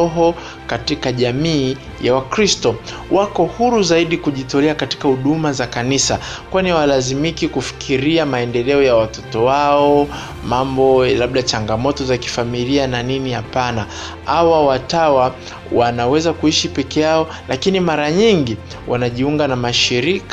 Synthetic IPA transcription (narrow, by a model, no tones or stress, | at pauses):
ɔɦɔ | katikaʄamiː | jawakɾistɔ | wʔakɔhuɾuzaiɗikuʄitɔlɛakati̥kahuɗumazakanisa | kwaniwalazimikikufi̥kʰiɾiamaɛndɛlɛɔjawatɔtɔwaɔ | mambɔlaɓ̚ɗat͡ʃaŋɡamɔtɔzaki̥familiananinihapana | awawatawa | wanawɛzakuiʃipɛkɛjaɔ | lakinimaɾaɲiŋɡi | wʔanaʄiuŋɡanamaʃiɾik